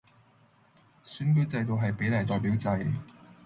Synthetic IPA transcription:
syː˨˥nkɵ˥ɥt͡sɐ˧jt̪o˨˧wɦɐ˨jpe˨˥jlɐ˨˩jt̪ɔː˨jpiː˨˥wt͡sɐ˧j

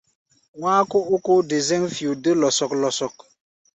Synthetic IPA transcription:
ŋʷaː˦ko˦o˦ko˦də˨ze˦ŋfju˨də˦lɔ˨sɔ˨k̚lɔ˨sɔ˨k̚

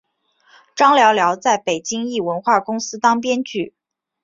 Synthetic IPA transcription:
ʈ͡ʂɑ˥ŋljɑ˧˥ʊljɑ˧˥ʊt͡sa˥˩ɪpe˨˩ɪt͡ɕi˥ŋi˥˩wə˧˥nxwa˥˩kʊ˥ŋsɹ̩˥t̪ɑ˥ŋp̬jɛ˥nt͡ɕy˥˩

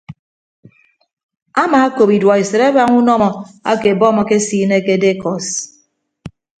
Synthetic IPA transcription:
a˦maː˨a˦ko˨pi˨dwa˨i˨se˨ɾe˦ba˦ŋu˦nɔ˦mɔ˨a̰˦ke˨bɔ˦mɔ˨ke˦siː˦ne˦ke˦de˦kɔ˨s

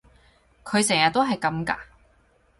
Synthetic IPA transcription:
kʰɵ˨˧ɥsɛː˨˩ŋjɐ˨t̪o˥ɦɐ˨jkɐ˨˥mka̰ː˧

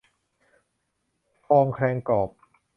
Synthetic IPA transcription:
fɔː˧ŋkʰɾɛː˧ŋkɔː˨˩p̚

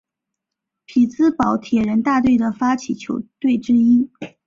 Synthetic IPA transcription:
pʰi˨˩t͡sɹ̩˥pɑ˨˩˥ʊt̪ʰjɛ˨˩ɻə˧˥nt̪a˥˧t̪we˥˩ɪd̪ə˩fa˥t͡ɕʰi˨˩t͡ɕʰjo˧˥ʊt̪we˥˩ɪʈ͡ʂɻ̩˥i˥

